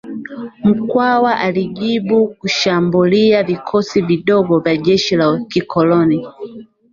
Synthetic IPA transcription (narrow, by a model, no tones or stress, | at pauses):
m̩kwawaʔaliʄiɓukuʃambuliavikʰɔsiviɗɔɡɔvjaʄɛʃilakikʰɔlɔni